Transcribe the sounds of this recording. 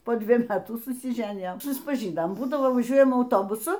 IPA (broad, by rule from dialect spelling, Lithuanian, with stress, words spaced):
poː ˈdʲʋʲiɛj ˈmʲæːtuː sʊsʲɪˈʒʲæːnʲɪjoːm sʊspɐˈʒʲiːnoːm ˈbuːdɐʋoː ʋɐˈʒʲuɔjɛm ɐʊˈtoːbʊsʊ